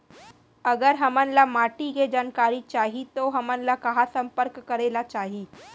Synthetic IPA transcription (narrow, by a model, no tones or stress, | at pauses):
ɐɡəɾɦɐmənlamaːʈiked͡ʒaːnkaːɾit͡ʃaːɦit̪oɦɐmənlakɐɦasɐ̃mpəɾkːɐɾeːlat͡ʃaːɦiː